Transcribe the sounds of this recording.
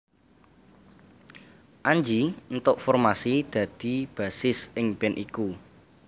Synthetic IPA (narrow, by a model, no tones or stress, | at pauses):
ʔaɲd͡ʒint̪ʊʔfɔrmasid̪̥ä̤d̪̥i̤b̥a̤sɪsɪŋb̥ɛnʔiku